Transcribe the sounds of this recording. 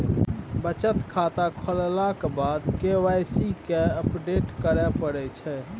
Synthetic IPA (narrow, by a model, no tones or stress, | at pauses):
bət͡ʃət̪kʰat̪akʰəllakebad̪kewajsikeəpɖeʈkəɾɛpəɽɛt͡ʃʰɛ